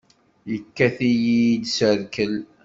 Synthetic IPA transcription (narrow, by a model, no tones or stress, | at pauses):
jəkːæθijid̪səɾkəl